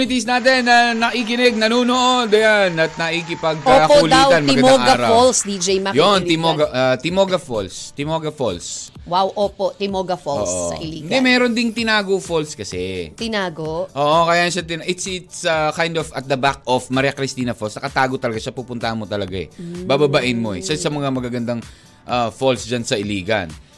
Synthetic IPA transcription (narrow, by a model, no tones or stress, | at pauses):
nɪt̪isnaːt̪ɛnːɐnɐʔikɪnɛɡ̚nɐnoːnoʔond̪ɐjanɐt̪̚nɐʔikɪpɐɡ̚kokʊld̪iːwt̪ɐnmɐɪɡɐɡmoŋʔaɐːɾɐolsd̪id͡ʒɛjmɐjonɪmoɡɐʔat̪ɪmo̞ːɡɐfolst̪ɪmoɡɐfols | wawʔoːpoʔt̪ɪmoːɡɐfolːʔsɐ̰ʔiliɪnd̪ɛmɛːɾond̪ɪŋt̪ɪnaːɡofolskɐsɛt̪ɪnaːɡoʔʔoːʔokɐjaːjɐnʃɐt̪ɪnʔɪt̪sɪt̪sɐkajnd̪ofɐt̪̚d̪ɐbak̚ofmɐɾakɾɪst̪iːnɐfolsnɐkɐt̪aːɡot̪ɐlɐɡaʃɐpupʊnt̪ɐhɐnmot̪ɐlɐɡaɛ̰bababaʔɪnmo̞ɛ̰sasɐmɐŋamɐɡaɡɐnd̪aŋ | ʔɐfolsd͡ʒansɐʔɪliːɡɐ̰n